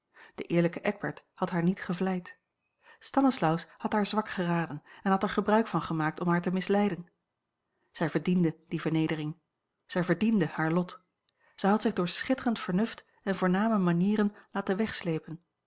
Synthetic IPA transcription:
d̥əʔɪːɹləkəʔɛɡ̚bɛ̰ɹthɑtɦaːɹnitχəvlɛjt | stɑnəslʌwshɑtɦaːɹzʋɑkχəraːdənɛnɦɑtɛɹχəbrœɥkfɑnχəmaːk̚tɔmɦaːɹtəmɪslɛjdən | z̥ɛjvəɹdindəd̥ivəɹnejdərɪŋ | z̥ɛjvəɹdindəhaːɹlɔt | z̥ɛjɦɑtsɪχdʊːɹsχɪtərəntfəɹnɵft | ɛnvʊːɹnaːməmaniːɾənlaːtənʋɛχslejpən

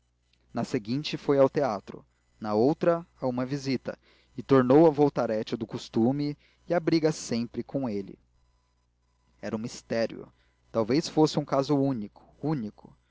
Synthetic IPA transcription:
nɐseɡĩnt͡ʃɪfojawt̪eat̪ɾʊ̰ | nɐowt̪ɾɐaũmɐvizit̪ɐ̰ | ɪt̪oɾnowɐvowt̪aɾɛt͡ʃɪd̪ʊkust̪umɪː | abɾiɡɐsẽpɾɪkʰõw̃elɪ̰ | ɛɾɐũmist̪ɛɾj̰ʊ̰ | t̪awvesfosɪũkazʊũnikʊ̥unikʊ

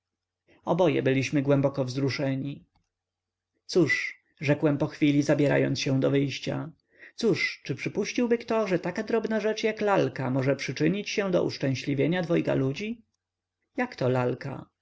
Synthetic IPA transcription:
ɔbɔjɛ̰bɘlʲiɕmɘɡwɛmbɔkɔvzɾuʂɛɲi | t̪suʂ | ʐɛkwɛmpɔxfʲilʲizabʲjɛɾa̰jɔ̰nt̪sɕɛw̃d̪ɔvɘjɕt͡ɕa̰ | t̪suʂt͡ʂɘpʂɘpuɕt͡ɕiwbɘkt̪ɔʐɛt̪akad̪ɾɔbnaʐɛt͡ʂjaklalkamɔʐɛpʂɘt͡ʂɘɲit͡ɕɕɛ̃d̪ɔ̰ʔṵʂt͡ʂɛ̃w̃ɕlʲivʲjeɲad̪vɔjka̰lud͡ʑi | jakt̪ɔlalka̰

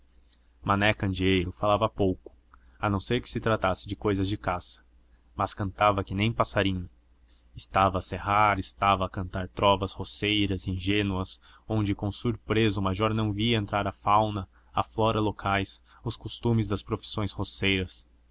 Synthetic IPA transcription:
manɛkɐ̃nd͡ʒiejɾʊfalavɐpowkʊ̥ | ɐnɐ̃w̃seɾkɪ̥sɪt̪ɾat̪asɪd͡ʒɪkojzɐzd͡ʒɪkasɐ̥ | mɐskɐ̃nt̪avɐkɪnẽj̃pasaɾĩɲɐ | ɪst̪avɐːseɦaɾɪst̪avɐːkɐ̃nt̪aɾt̪ɾɔvɐshosejɾɐzĩʒẽnuɐs | õnd͡ʒɪkõsuɾpɾezɐʊmajʒɔɾnɐ̃w̃viɐẽnt̪ɾaɾɐfawnɐ | aflɔɾɐlokʰajs | ʊskost̪ũmɪzd̪ɐspɾofi̥sõj̃shosejɾɐs

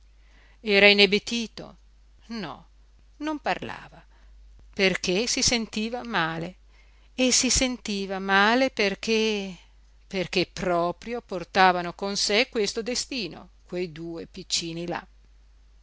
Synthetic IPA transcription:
ɛːɾainebet̪iːt̪o̰ | nɔ̰ | nomparla̰ːva | perkesisent̪iːvamaːle | esisent̪iːvamaːleperk̟ʰe | perk̟epɾɔːpɾjoport̪aːvanokonsekːwest̪od̪est̪iːno̰kwejd̪uːepit͡ʃːiːnila̰

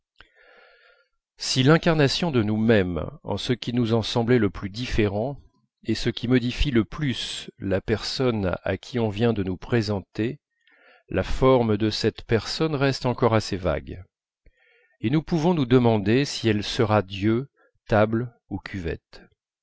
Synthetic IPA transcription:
silɛ̃kaʁnasjɔ̃d̪ənumɛmɑ̰̃səkʲinuzɑ̃sɑ̃blɛləplyd̪ifeʁɑ̃ | esəkʲimɔd̪ifiləplyslapɛʁsɔna̰kʲʰiɔ̃vjɛ̃d̪ənupχezɑ̃t̪e | lʔafɔʁmd̪əsɛt̪pɛʁsɔnʁɛst̪ɑ̃kɔʁaseva̰ɡ | enupuvɔ̃nud̪əmɑ̃d̪esiɛlsəʁad̪jø | t̪abl | ukʲʰyvɛ̰t̪

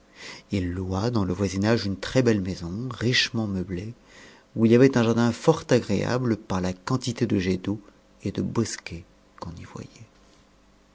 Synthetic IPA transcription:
ilːwad̪ɑ̃ləvwazinaʒynt̪χɛbɛlmezɔ̃ʁiʃmɑ̃məble | uiljavɛt̪ɛ̃ʒaʁd̪ɛ̃fɔʁt̪aɡʁea̰bləpaʁlakɑ̃t̪it̪ed̪əʒed̪o | ed̪əbɔskʲe | kɔ̃nivwa̰jɛ

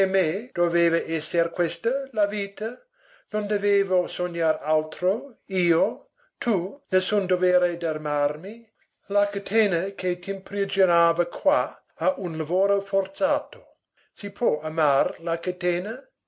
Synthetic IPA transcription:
emed̥oveːvəʔɛsːerkwɛst̪əlaviːt̪a | nond̪eveːvosoɲːaɾalt̪ɾoiːo | t̪ʰunesːund̪ovɛːɾed̪armarmi | lakat̪ʰeːnakʰet̪impɾid͡ʒonaːvakʰwa | aʔunlavoːɾofort̪saːt̪o̥ | sipʰwɔamarlakat̪eːna

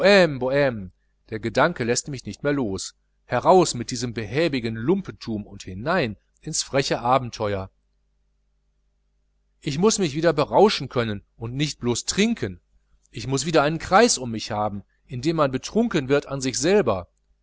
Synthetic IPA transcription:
oɛmboɛm | d̥eːɐɡədaŋkəlɛstmɪçnɪçtmeːɐloːs | hɛʁaʊsmɪt̚d̥iːzəmbəhɛːbɪɡənlʊmpən̩tʰuːmʊnthɪnaɪn | ʔɪnsfʁ̥ɛçəʔaːbm̩tʰɔʏɐ | ʔɪçmʊsmɪçv̥iːdɐbəʁaʊʃn̩kʰœnənʔʊntnɪçt̚b̥loːstʁ̥ɪŋkʰən | ʔɪçmʊsv̥iːdɐʔaɪnənkʁ̥aɪsʊmːɪçhaːbm̩ | ʔɪndeːmːanbətʁ̥ʊŋkənvɪɐtanzɪçz̥ɛlbɐ

